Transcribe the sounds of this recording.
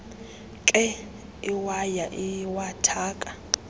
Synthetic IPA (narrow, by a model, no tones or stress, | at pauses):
kʼɛ | iwajaʔiwatʰaːkʼḁ